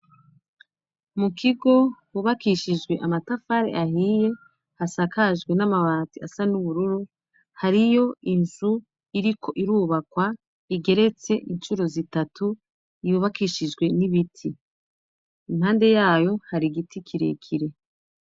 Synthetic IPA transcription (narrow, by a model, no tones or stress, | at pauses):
mukʰiɡo̞wuβakiʃid͡ʒɡwe̞ʔamatafaɾḛʔaɦiːje̞ | hasakaʒɡwe̞namaβaːtiasanuβuɾuɾu | haɾijo̞inzu | iɾikʰo̞ʔiɾuːβakwa | iɡe̞ɾe̞t͡se̞ʔint͡ʃuɾo̞zitatʰu | ijuβakiʃid͡ʒɡwe̞niβitʰi | imhaːnde̞jaːjo̞haɾiɡitʰikʰiɾḛkʰiɾe̞